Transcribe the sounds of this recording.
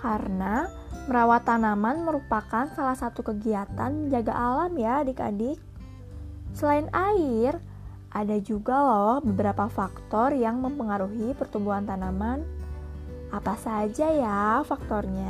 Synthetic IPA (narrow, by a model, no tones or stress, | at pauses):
karəna | məɾawat̪ːanamanməɾupakansalahsat̪ukəɡiat̪anməɲd͡ʒaɡaʔalamjadika̰dɪk̚ | səlaɪnaɪr | ʔadad͡ʒuɡalɔhbəbəɾapafakt̪ɔrjaŋməmpəŋaɾuɦipərt̪umbuɦant̪anaman | apasad͡ʒajafak̚t̪ɔrɲa